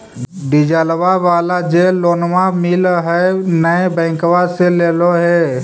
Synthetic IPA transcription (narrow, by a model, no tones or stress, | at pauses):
ɖid͡ʒaːlʋaʋaːlad͡ʒeːlːoːnmamilɦɛnəẽbɛ̃ːkʋaseleːloɦɛ